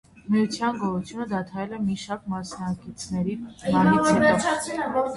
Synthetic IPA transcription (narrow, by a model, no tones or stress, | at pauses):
mijut͡sʰjɑnɡɔɾut͡sʰjunəd̪ɑt̪ʰɑjɛlɛmiʃɑɾk̚mɑsnɑkit͡sʰnɛɾibɑniɛɔ